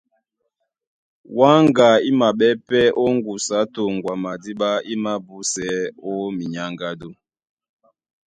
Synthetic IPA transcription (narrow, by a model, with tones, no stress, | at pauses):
wa˦ŋɡa˨i˦ma˨ɓɛ˦pɛ˦ʔo˦ŋɡu˨sa˨˦to˨ŋɡwa˨ma˨di˦ɓa˦i˦ma˦bu˦sɛ˨˦ɔ˦mi˨ɲa˦ŋɡa˦do˦